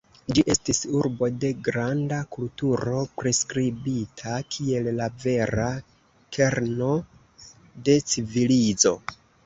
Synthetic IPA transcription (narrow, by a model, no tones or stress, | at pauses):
d͡ʒiʔe̞stisuɾbo̞de̞ɡɾandakultuɾo̞pɾe̞skɾibitʰakʰie̞llave̞ɾa | kʰe̞ɾno̞ | de̞t͡sivilid͡zo̞̰